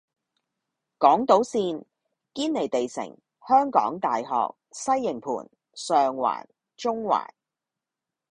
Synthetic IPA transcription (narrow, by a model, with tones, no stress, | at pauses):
kɔː˨˥ŋt̪o˨˥wsiː˧n | kiː˥nle˨˩jt̪e˨jsɪ̰˨˩ŋ | hœː˥ŋkɔ̰ː˨˥ŋt̪aː˨jɦɔ̰ː˨k̚sɐ˥jːɪ˨˩ŋpʰṵː˨˩n | sœː˨ŋwa̰ː˨˩n | t͡ʃʊ˥ŋwa̰ː˨˩n